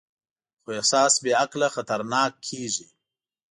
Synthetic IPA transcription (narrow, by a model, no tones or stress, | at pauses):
xoehsɑːsbeaklaxat̪aɾnɑːkʰːeʒi